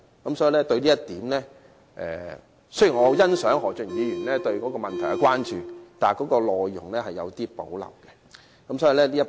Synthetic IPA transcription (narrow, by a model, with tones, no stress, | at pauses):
kɐ˨˥msɔː˨˥ji˨˧lɛː˥t̪ɵ˧ɥliː˥ɐ˥t̪iː˨˥mlɛː˥ | ʔɛ̰ː˨ | sɵ˥ɥji˨˩ŋɔː˨˧jɐ˥nsœː˨˥ŋɦɔː˨˩t͡ʃɵ˨˩ŋjiː˨˧jyː˨˩nlɛː˥t̪ɵ˧ɥkɔː˨˥kɔː˧mɐ˨nt̪ʰɐ˨˩ja˨˧kʷwaː˥nt͡ʃyː˨t̪aː˨˩nkɔː˨˥kɔː˧lɔː˧jːʊ˨˩ŋlɛː˥hɐ˨jːɐ˨˧wt̪iː˥po̰˨˥wlɐ̰˨˩wkɛ˧ | kɐ˨˦msɔ˨˥i˨lɛː˥liː˥ɐ˥